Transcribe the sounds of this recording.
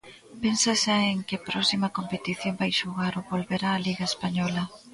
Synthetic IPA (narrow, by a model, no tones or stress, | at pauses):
pensaʃaeŋkɪpɾɔsimɐkompet̪iθjombajʃuɣaɾoβolβeɾaːliɣaespaɲɔlɐ